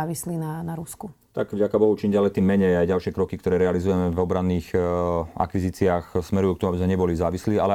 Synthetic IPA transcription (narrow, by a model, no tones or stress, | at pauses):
ʋisliːnanaɾusku | t̪aɡvɟakabɔɦut͡ʃimɟɪalɛt̪iːmːɛɲɛjajɟalʃɪɛkɾɔkikt̪ɔɾɛːɾɛalizujɛmɛvɔbɾanːiːx | a̰kʋiziːt͡siaːxsmɛɾujuːkt̪ɔmuabizmɛɲɛbɔlizaːʋisliːalɛ